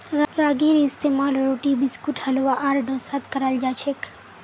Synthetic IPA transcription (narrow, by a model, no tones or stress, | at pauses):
ɾaɡiɾiɪst̪emalɾoʈibɪskuʈhəlʋaʔaɾɖosat̪kəɾald͡ʒat͡ʃʰek